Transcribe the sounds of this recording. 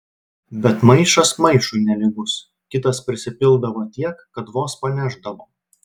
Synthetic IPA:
bʲɛt̪mɐɪʃɐsmɐɪʃʊɪnʲɛlʲɪɡʊs | kʲɪt̪ɐspʲɾʲɪsʲɪpʲɪlˠˑd̪ɐʋoːt̪ʲiɛkːɐt̪ʋoːspɐnʲæˑʒd̪ɐʋoː

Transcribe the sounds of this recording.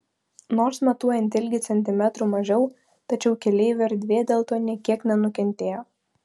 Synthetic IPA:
noːɾsmɐt̪uɔjɛnʲt̪ʲɪlʲɡʲɪt̪sʲɛnʲt̪ʲɪmʲæt̪ɾuːmɐʒʲɛʊ | t̪ɐt͡ʃʲɛʊkʲɛlʲɛɪʋʲɛɾʲd̪ʲʋʲeːd̪ʲeːlˠt̪oːnʲiɛkʲiɛknʲɛnʊkʲɛnʲt̪ʲeːjoː

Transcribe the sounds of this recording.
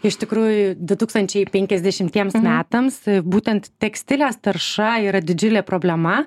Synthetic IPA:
ɪʃt̪ʲɪkɾuːjʊd̪ʊt̪uːkst̪ɐnʲt͡ʃʲɛɪpʲɛŋʲkʲɛzd̪ʲɛʃʲɪmʲt̪ʲiɛmsmʲæːt̪ɐmsbuːt̪ʲɛnt̪t̪ʲɛksʲt̪ʲɪlʲeːst̪ɐɾʃɐiːɾɐd̪ʲɪd͡ʒʲʊlʲeːpɾoːbʲlʲɛmɐ

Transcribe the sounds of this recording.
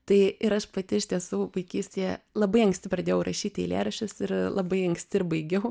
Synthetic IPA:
t̪ɐɪɪɾɐʃpɐt̪ʲɪʃʲt̪ʲiɛsuːʋɐɪkʲiːsʲt̪ʲejɛlˠɐbɐɪɐŋksʲtʲɪpɾɐd̪ʲeːjɛʊɾʔɐʃʲiːt̪ʲḭːlʲæ̰ːɾɐʃʲʊsɪɾlˠɐbɐɪɐŋksʲt̪ʲɪɾbɐɪɡʲɛʊ

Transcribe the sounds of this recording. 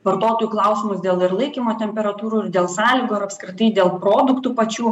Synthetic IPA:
ʋɐɾt̪oːt̪oːjuːklˠɐʊsʲɪmʊsd̪ʲeːlˠɪɾlˠɐɪkʲimoːt̪ʲɛmʲpʲɛɾɐt̪uːɾuːɪɾd̪ʲeːlˠsɑːlʲiːɡoːɪɾɐpʲskɾʲɪt̪ɐɪd̪ʲeːlˠpɾoːd̪ʊkt̪uːpɐt͡ʃʲuː

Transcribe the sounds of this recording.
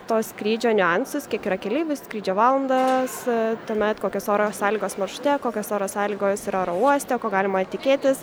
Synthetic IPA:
t̪oːsskɾʲiːd͡ʒʲoːnʲʊɛnsʊskʲiɛkiːɾɐkʲɛlʲiːʋʲʊsskɾʲiːd͡ʒʲoːʋɑːlˠɐnd̪ɐst̪uɔmʲɛt̪koːkʲosoːɾoːsɑːlʲiːɡoːsmɐʃʊ̥t̪ʲɛkoːkʲosoːɾoːsɑːlʲiːɡoːsiɾɐoɾouɔsʲt̪ʲɛkoːɡɑːlʲɪmɐt̪ʲɪkʲeːt̪ʲɪs

